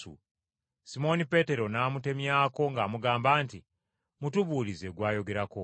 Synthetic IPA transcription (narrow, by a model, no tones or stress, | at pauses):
ṵ | simo̞nipe̞te̞ɾo̞naːmute̞mjaːko̞ŋɡaːmuɡaːmbaːnti | mutuβuːlize̞ɡwaːjo̞ɡe̞ɾako